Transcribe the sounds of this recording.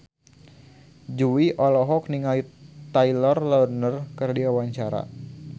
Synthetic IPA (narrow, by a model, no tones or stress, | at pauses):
d͡ʒuwiʔɔlɔɦɔk̚niŋait̪ajlɔrlɔrnərkərdiawaɲt͡ʃaɾa̰